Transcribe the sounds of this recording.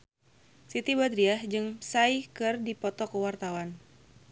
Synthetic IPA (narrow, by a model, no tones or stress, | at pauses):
sit̪ibad̪ɾiahd͡ʒɨŋsaikɨrdipɔt̪ɔkəwart̪awan